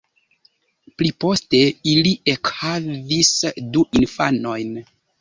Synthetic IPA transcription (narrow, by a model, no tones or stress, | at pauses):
plipo̞ste̞iliʔekhavisduʔinfa̰no̞jn